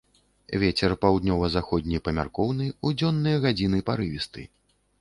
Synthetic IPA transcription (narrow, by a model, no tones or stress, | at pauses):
vʲet͡sʲɛrpawd̪nʲɔvɐzaxɔd̪̚ʲnʲijpɐmʲa̰rkɔwnɨud͡zʲɔnːɨjɐɣad͡zʲinɨpaɾɨvʲist̪ɨ̰